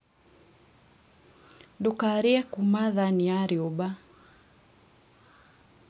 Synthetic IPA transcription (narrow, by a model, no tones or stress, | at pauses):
dukaɾiakumaðaniaɾjɔba